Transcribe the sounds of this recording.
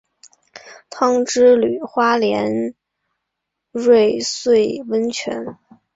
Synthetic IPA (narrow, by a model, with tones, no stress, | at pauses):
t̪ʰɑ˥ŋʈ͡ʂɻ̩˥ly˨˩xwa˥ljɛ˧˥n | ɻwe˥˧ɪswe˥˩ɪwə˥nt͡ɕʰɥɛ̰˧˥n